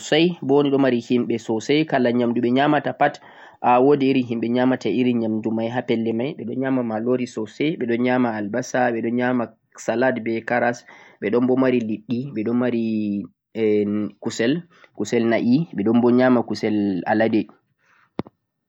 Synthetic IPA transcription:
sajbniɗɔmaɾihimɓɛsɔsajkalaɲamduɓɛɲamatapat | ʔawodiːɾiɦimɓɛɲamataiɾiɲamdumajɦapɛlːɛmajɓɛɗɔnɲamamaloɾisɔsɛɓɛɗɔnɲamaːlbasaɓɛɗɔnɲama | saladbɛkaɾasɓɛɗɔmbɔmaɾiliɗːiɓɛɗɔnmaɾi | kusɛl | kusɛlnaʔiɓɛɗɔnbɔɲamakusɛla̰ladɛ

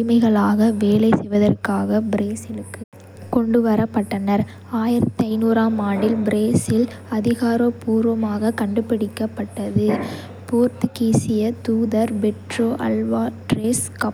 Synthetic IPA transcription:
ɪmɐɪɣɐɭaːɣɐʋeːlɐɪsɛjʋɐðɐrkaːɣɐbɪɾeːsɪlɯkːɯ | kɔɳɖɯʋɐɾɐpːɐʈːɐnɐɾ | aːjɪɾɐt̪ːɐɪnuːɾaːmaːɳɖɪlbɪɾeːsɪlɐðɪɣaːɾopuːɾʋɐmaːɣɐkɐɳɖɯpːɪɽɪkːɐpːɐʈːɐðɯ | puːɾt̪ɯkiːsɪjɐt̪uːðɐɾbɛʈroːʔɐ̰lʋaːʈɾeːskɐ

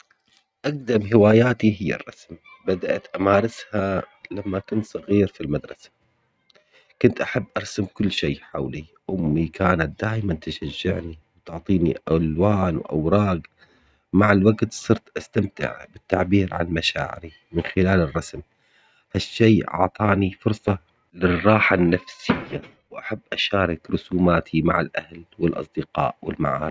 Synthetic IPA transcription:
ʔaq̚d̪amɦɪwaːjaːt̪iɦɪjːa̰rˤːɑsmbad̪aʔat̪ʔamaːɾˤɪsha | lamːakʊnt̪sˤɑɣiːɾfilmad̪ɾˤɑsḁ | kʊnt̪ʔaħabːʔɑɾˤsamkʊlːʃeːħawliʔʊmːikʰaːnat̪̚d̪aːjmant̪ɪʃaʒːɪʕniwt̪ʊʕt̪ˤiːnḭʔalwaːnwʔa̰wɾˤɑːɡ | maʕalwaɡt̪sˤɨɾt̪ʔast̪amt̪ɪ̰ʕbɪt̪ːaʕbiːɾʕa̰nmaʃa̰ːʕɪ̰ɾi | mɪnxɪlaːlɪrˤːɑsm | haʃːeːʔɑ̰ʕt̪ˤɑːnifʊɾsˤɑ | lɪrˤːɑːħanːafsɪjːa | wʔaħabːʔaʃaːɾˤɪkɾʊsuːmaːt̪ʰimaʕalʔahlwɪlʔɑ̰sˤd̪ɪqɑ̰ːʔwɪ̰lma̰ʕaːɾ

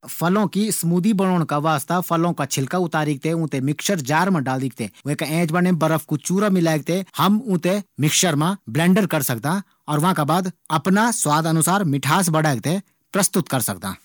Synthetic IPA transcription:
pʰəlõːkisəmuːd̪iːbəɽ̃ɔːɽ̃kaʋaːst̪apʰəlõːkat͡ʃʰɪlkaːʊt̪aːɾiːk̚t̪eʊ̃ːt̪emɪkʃəɾd͡ʒaːɾmãːɖaːld̪iːk̚t̪eːʊẽːkaɛ̃ːd͡ʒbənẽbəɾəfʰkut͡ʃuːɾaːmɪlaːɡ̚t̪ehəmʊ̃ːt̪emɪkʃəɾmãːblɛ̃ːɳɖəɾkəɾsək̚d̪ãː | ɔːɾʋaãːkabaːd̪ɐpnaswaːd̪ənʊsaːɾmɪʈʰaːs̬bəɽaːɡ̚t̪e | pɾəst̪ʊt̪kəɾsəkd̪ã̰ː

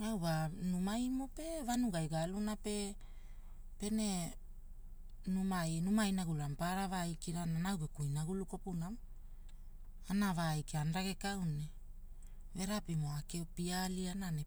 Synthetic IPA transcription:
awβanumajmope̞vanuɡajɡalunape̞ | pe̞ne̞ | numajnumajnaɡulampaɾavajkiɾananawɡekujnaɡuluko̞punam | anavajkeanɾaɡe̞kawne | ve̞ɾapimoakeopialianane

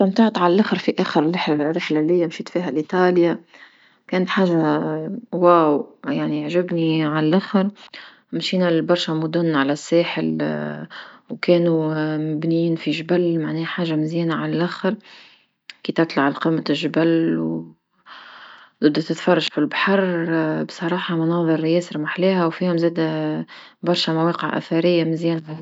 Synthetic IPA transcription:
t̪amt̪aʕt̪ʕalælʔaxɪɾˤfiʔæːxəɾɪlːɪħlarːɪħlalɪjːamʃiːt̪fiːɦælʔit̪ˤɑːlja | kɛːnət̪ħaːʒa | waːwjaʕniʕʒɪbniʕallʔaxɑɾˤ | mʃiːnæbɑɾˤʃamʊd̪ʊnːʕalæsːeːħɪl | wkɛːnumɪbniːnfiʒbælmaʕnɛːħaːʒːamɪzjɛːnaʕalælʔæxəɾ | kiːt̪ɑʕt̪ˤlʕalqimːaʒbælw | d̪ɨd̪ːt̪ɪt̪fɑrˤːɑʒfilbaħɑɾˤbsˤɑɾˤɑːħɑmʊnɑːðˤɨɾjɛːsɑɾmaħlæːɦæwfiːhʊmzæːd̪æ | bɑɾˤʃæmaweːqəʕʔæ̰θɑɾɪjːamɪzjɛːnaʕa

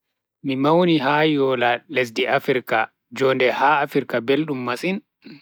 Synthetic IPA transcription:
mimawniɦaːjɔːlales̬diʔafiɾka | d͡ʒɔːndɛhaafiɾkabelɗumːasin

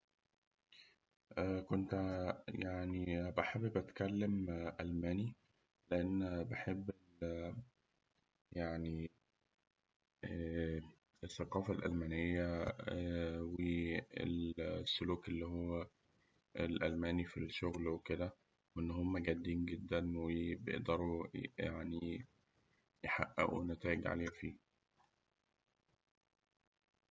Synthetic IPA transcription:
ʔæːkont̪jaʕnibeħebːbæt̪kælːemʔælmæːni | leʔenːbeħebːe | jaʕni | esθːɑqɑːfælʔæ̰lmænejːæ | weḛlsːoluːkelːiːhowːæ | elʔælmæːnifilʃoɣlweked̪æ | weʔenːɦomːæɡæd̪ːiːnɡed̪ːænwebejḛʔd̪ɑɾˤujaʕni | jħaʔːæ̰ʔṵnæt̪æːʔeɡʕa̰leːhæfiː

